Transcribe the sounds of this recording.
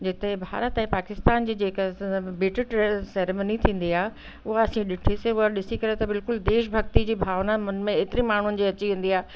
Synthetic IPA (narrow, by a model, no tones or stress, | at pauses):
d͡ʑɪt̪eebʱa̰ːɾət̪ɛ̃paːkɪst̪aːnd͡ʑiːd͡ʑeːkbɪːʈɪʈsɛɾemənit̪ʰĩːn̆d̪iaːɦe | ʊɦaɐsĩɗɪʈʰiseʊaɗɪsikɐɾet̪ɐbɪlkʊld̪eːʃbʱɐɡ̚t̪id͡ʑiːbʱaːʋnamẽeːt̪ɪɾĩmaːɳ̤ʊnɪ̆d͡ʑiɐt͡ɕiʋẽːn̆d̪iaːɦe